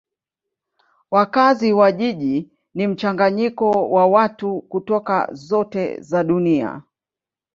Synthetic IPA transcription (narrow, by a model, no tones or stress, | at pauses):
wakaziwaʄiʄi | nim̩t͡ʃaŋɡaɲikɔwawatukutɔka̰zɔtɛ̰zaɗunia̰